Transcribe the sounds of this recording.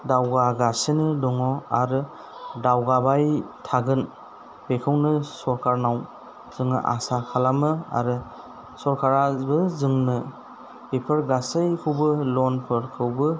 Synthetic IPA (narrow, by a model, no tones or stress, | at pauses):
dawɡaɡasɯnɯdɔŋɔaɾɯ | dawɡabajtʰaɡɯn | bʰekʰɯwnɯsɔɾkʰaɾnaw | z̥ɯŋnɯ̰ʔa̰sakʰalamɯa̰ɾɯ | sɔɾkʰaɾabɯzɯŋnɯ | ipʰɯɾɡasɯjkʰɯwbɯlɔnpʰɯɾkʰɯwbɯ